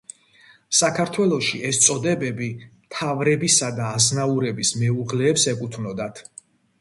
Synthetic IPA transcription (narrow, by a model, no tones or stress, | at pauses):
sakʰaɾt̪ʰwɛlˠɔʃiʔɛst̪sʼɔd̪ɛbɛbimt̪ʰavɾɛbisad̪aːznauɾɛbismɛuʁlɛːpsɛkʼut̪ʰvnɔd̪at̪ʰ